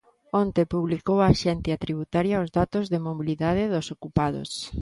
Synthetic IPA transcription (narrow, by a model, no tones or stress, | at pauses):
ont̪epuβlikowaːʃɛnθjɐt̪ɾiβ̞ut̪aɾjaʊzðat̪ʊzðɪmoβiliðað̞ɪðʊsokupaðʊ̰s